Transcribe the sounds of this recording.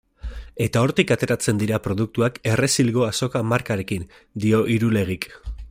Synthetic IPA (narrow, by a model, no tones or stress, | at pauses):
e̞t̪ao̞ɾt̪ikat̪e̞ɾat͡se̞nd̪iɾapɾo̞ð̞uk̚t̪uake̞re̞silɣo̞aso̞kamaɾkaɾe̞kin | d̪io̞ʔiɾule̞ɣ̞ik